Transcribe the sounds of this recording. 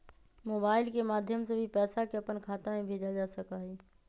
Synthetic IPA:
moːbaːɪlkemaːd̪ʱjəmsebʱipɛːsakeəpənkʰaːt̪amẽbʱeːd͡ʒad͡ʒasəkaɦɛː

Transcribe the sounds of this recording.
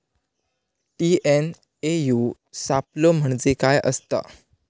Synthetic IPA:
ʈien | eju | sapləm̤əɳd͡zekajə̰st̪a̰

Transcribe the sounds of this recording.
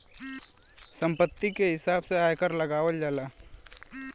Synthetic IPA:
sə̃mpət̪ːikeɦɪsaːbseaːjkəɾləɡaːʋəld͡ʒaːlaː

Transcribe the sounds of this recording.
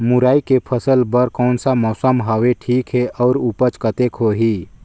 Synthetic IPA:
muɾaːikepʰəsəlbəɾkɔːnsamɔːsəmɦəweʈʰiːkɦeʔɔʊɾupət͡ʃkət̪ekɦoɦi

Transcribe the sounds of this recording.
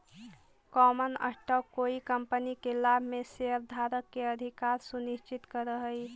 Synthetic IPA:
kɔmənə̰ʈəkoikəmpənikelabʱmeseəbd̪ʱaɾəkːeəd̪ʱikaɾsuniʃt͡ʃit̪kəɾəɦəi

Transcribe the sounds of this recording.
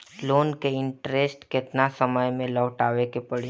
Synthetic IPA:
loːnkeɪ̃ɳʈɾesʈkɪt̪nasəməjmẽlɔːʈaːʋekepəɽe

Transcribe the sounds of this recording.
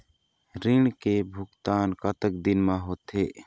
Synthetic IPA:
ɾɪɳkebʱʊkt̪aːnkət̪ək̚d̪ɪnmãɦoːt̪ɦeː

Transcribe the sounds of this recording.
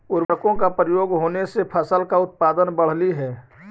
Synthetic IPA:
ʊɾəɾkõkapɾəjoːɡɦoːnesepʰəsəlkaʊt̪̚paːd̪ənbəɽ̤liɦɛː

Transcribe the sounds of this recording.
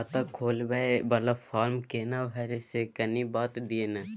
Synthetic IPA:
at̪akʰoːlbaebɐlafaːɾmkeːnãʋʱɐɾesekɐnibaːt̪d̪ienãː

